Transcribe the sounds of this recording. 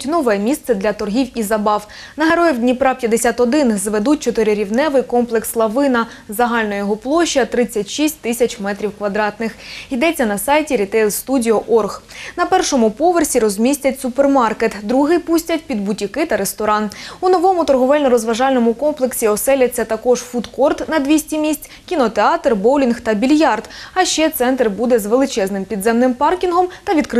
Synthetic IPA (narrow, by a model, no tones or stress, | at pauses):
tʲnɔʋɛɛmʲist̪sɛd̪lʲɐt̪ɔrɦʲiwizɐbɑw | nɐɦeɾɔjɛwdʲnʲipɾɑpjɐd̪esʲat̪ɔd̪ɪnzʋed̪utʲt͡ʃɔt̪ɪɾɪɾʲiwnɛʋɪjkɔmplˠekslˠɐʋɪnɐ | zɐɦɑlʲnɔjɔɦɔplˠɔʃːiɐt̪ɾɪt͡sʲːɐtʲʃisʲtʲt̪ɪsʲɐt͡ʃmɛt̪ɾʲiwkʋɐd̪ɾɑt̪nɪxid̪ɛt͡sʲːɐnɐsɑjtʲiɾʲit̪ɛjlˠst̪udʲiɔʔɔrɣnɐpɛrʃɔmʊpɔʋersʲiɾɔzʲmʲisʲtʲɐtʲsʊpermɑrket̪d̪ɾuɦɪjpusʲtʲɐt̚ʲpʲid̪bʊtʲikɪt̪ɐɾest̪ɔɾɑnunɔʋɔmʊt̪ɔrɦɔʋɛlʲnɔɾɔzʋɐʒɑlʲnɔmʊkɔmplˠeksʲiɔsɛlʲɐt͡sʲːɐt̪ɐkɔʒfut̪kɔrt̪nɐd̪ʲʋʲisʲtʲimʲisʲt͡sʲ | kʲinɔt̪eɑt̪rbɔwlʲinxt̪ɐbʲilʲjɑrd̪ɐʃt͡ʃɛt̪sɛnt̪rbud̪ɛzʋelˠɪt͡ʃɛznɪmpʲid̪zɛmnɪmpɑrkʲinɦɔmt̪ɐʋʲid̪k